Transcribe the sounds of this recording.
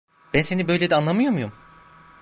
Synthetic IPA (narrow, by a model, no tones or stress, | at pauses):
b̥ænse̞nibø̞jlʲed̪ɛanlˠamɯjomujum